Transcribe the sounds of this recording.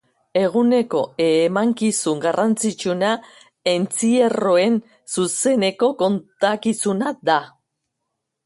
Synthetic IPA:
e̞ɣ̞une̞ko̞emaŋkisuŋɡarant͡sit͡ʃuna | e̞nt͡siero̞e̞n | suse̞ne̞ko̞ko̞nt̪akisunad̪a

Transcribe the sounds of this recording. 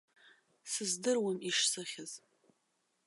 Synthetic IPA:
sɨzdɨrwamiʂsɨχʲɪz̥

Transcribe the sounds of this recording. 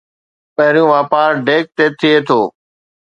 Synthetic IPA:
pəɦɪɾijũʋaːpaːɾɖeːk̚t̪eːt̪ʰɪeːt̪ʰoː

